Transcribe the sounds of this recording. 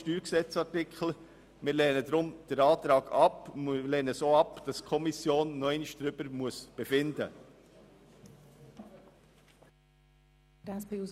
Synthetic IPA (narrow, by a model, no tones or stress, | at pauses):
tyːɾksɛt͡sɑɾtɪkχl̩ | mɪːɾlɛːnədɾʊmd̥əɾɑːt̪ɾɑːɡɑplɛːnəsoːɑpd̥ɑskʰɔmisjoːnːɔɛɪniʃd̥ɾʏb̥əɾmuəsb̥efɪndə | d̥ɑsb̥ɪu